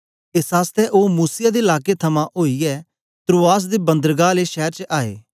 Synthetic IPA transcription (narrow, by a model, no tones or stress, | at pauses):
esɦaːst̪ʰeʔoːmuːsɪjad̪eɪlaːket̪ʰɐmãʔoːiɛ | t̪ɾoːaːs̬d̪ebɐ̃nd̪əɾɡaleʃɛːɾt͡ʃʔaːḛː